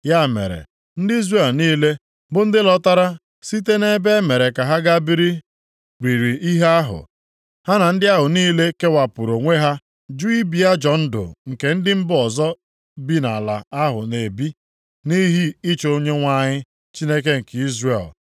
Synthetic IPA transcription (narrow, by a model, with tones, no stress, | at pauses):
ja˦˨mḛ˨ɾḛ˨ | n̩˦dɪ˦i˦zre˦˨lniː˦le˦ | bʊ˦n̩˦dɪ˦lɔ˦ta˦ɾa˦ | si˦t̬e˦ne˦be˦me˨ɾe˨ka˨ɦa˦ɡa˦bi˦ɾi˦ | ɾi˨ɾi˨i˦ɦe˦a˦ɦʊ̰˨ | ha˦na˨n̩˦dɪ˦a˦ɦʊ˨niː˦le˦ke˦wa˨pu˨ɾo˨ŋʷe˦ɦa˦ | d͡ʒu˦i˦bi˦a˦d͡ʒɔ˨n̩˦dʊ̰˨ŋ̩˨ke˨˦n̩˦dɪ˦m̩˦bɔ˨zɔ˦ | bi˦na˨la̰˨a˦ɦʊ̰˨ne˨bi˦ | ni˦ɦi˦i˦t͡ʃo˦ɲe˦ŋʷa˦ɲɪ˦ | t͡ʃi˦ne˦k̬e˦ŋ̩˨ki˦zre˨l